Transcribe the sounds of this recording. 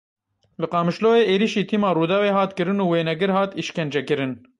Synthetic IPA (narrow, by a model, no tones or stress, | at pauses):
lɨqɑːmɨʃloːeːʔeːɾiʃiːt̪ʰiːmɑːɾuːd̪ɑːweːɦɑːt̪kɨɾɨnuːweːnɛɡɨɾhɑːt̪iʃkɛnd͡ʒɛkɨɾɨn